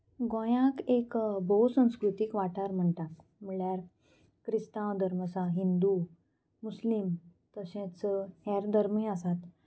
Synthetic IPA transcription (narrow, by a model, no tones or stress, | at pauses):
ɡõjãkekbʱoɦsə̃w̃skɾut̪ikʋaʈʰaɾm̤əɳʈ̪ak | m̤əɭjaɾ | kɾist̪ãd̪ʱəɾməsaɦind̪u | muslimt̪əɕẽt͡shɛɾd̪ʱəɾmiəsat̪